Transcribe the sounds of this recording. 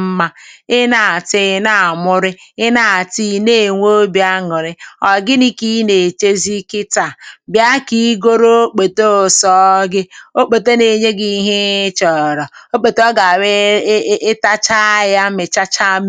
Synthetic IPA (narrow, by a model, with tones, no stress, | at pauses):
m̩˦ma˦ɪ˦na˨tɪ˨na˨a˨mʊ˦ɾɪ˦ɪ˦na˦˨a˨ti˦ne˦˨ŋʷo˦o˦bja˦ŋʊ˨ɾɪ˦ɔ˨ɡɪ˦ni˦ki˦ne˨t͡ʃe˦zi˦kɪ˦ta˨bja˦ki˦ɡo˦ɾo˦o˦k͡pe˨to˦o˨sɔ˦ɡɪ˦o˦k͡po˨te˦ne˨ɲe˦ɡi˦ɦe˦t͡ʃɔ˨ɾɔ˨o˦k͡po˨tɔ˦ɡa˨we˦ɪ˦ta˦t͡ʃa˦ja˦mɪ˨t͡ʃa˦t͡ʃa˦m˦